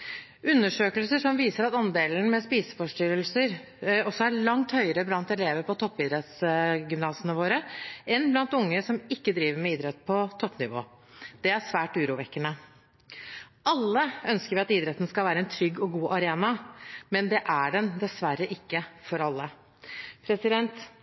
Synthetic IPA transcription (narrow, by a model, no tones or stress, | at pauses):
ʉnːəʂøːkəlsəʂɔmʋiːsəɾɑt̪ɑnd̪eːln̩mɛspiːsə̥fɔʂʈʏɾəlsəɾ | ɔsːɔæɭɑŋt̪hœʏəɾəblɑnt̪ɛleːʋəpɔt̪ʰɔpːɪd̪ɾɛt̪sɡʏmnɑːsənəʋoːɾəɛnblɑnt̪ʊŋːəsɔmɪkːəd̪ɾiːʋəɾmɛiːd̪ɾɛt̪ːpʰɔt̪ʰɔpnɪ̰ʋo̰ː | d̪̥ɛæsʋæːʈʉːɾuːʋɛkːənə | ʔɑlːəœnskəɾʋɪɑt̪iːd̪ɾɛt̪ːn̩skɑlʋæːɾəɛnt̪ʰɾʏɡːɔɡuːʔɑɾeːnɑmɛnd̪ɛʔæɖɛnd̪ɛsʋæɾːəʔɪkːəfɔɾɑlːə | pʰɾɛsɪd̪ɛnt̪